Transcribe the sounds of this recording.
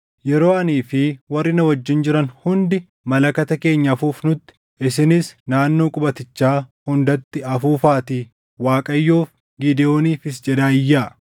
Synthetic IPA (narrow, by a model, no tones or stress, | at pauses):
jɛɾo̞ːɐniːfɪwɐrːɪnɐwɐd͡ʒːɪnd͡ʒɪɾɐnhʊnd̪ɪ | mɐlɐkɐt̪ɐke̞ːɲːɐfuːfnʊt̪ːɪ̥ | ɪsɪnɪsnaːnːo̞ːkʼʊbɐt̪ɪt͡ʃːaːhʊnd̪ɐt̪ːɪɐfuːfaːt̪iː | waːkʼɐjːoːf | ɡɪd̪ɛo̞ːniːfɪsd͡ʒɛd̪aːɪjːaː